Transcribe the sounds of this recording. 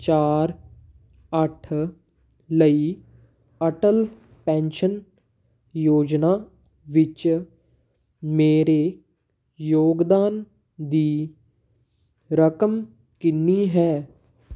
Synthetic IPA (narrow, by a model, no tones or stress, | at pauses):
t͡ʃaːɾ | əʈʰ | ləi | əʈəl | pɛ̃ːnʃən | joːd͡ʒna | ʋɪt͡ʃ | meːɾe | joːɡd̪aːn | d̪iː | ɾəkəm | kɪnːiɦɛː